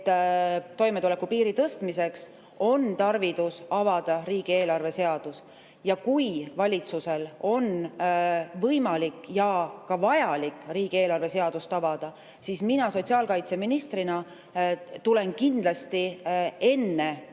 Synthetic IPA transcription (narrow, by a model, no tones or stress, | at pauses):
t̪ːt̪o̞jme̞t̪ule̞kːupiːɾit̪ɤst̪mise̞ks | o̞nt̪ɑrvid̪usɑvɑd̪̥ɑriːɡ̥ie̞ːlɑrve̞se̞ɑd̪̥us | jɑkujvɑlʲit̪suse̞lo̞n | vɤjmɑlikːjɑkɑvɑjɑlikːˑriːɡ̥ie̞ːlɑrve̞se̞ɑd̪̥ust̪ɑvɑd̪̥ɑ | sisminɑso̞t̪ʲsiɑːlkɑjt̪se̞minist̪rinɑ | t̪ule̞nkind̪lɑst̪ie̞nːe̞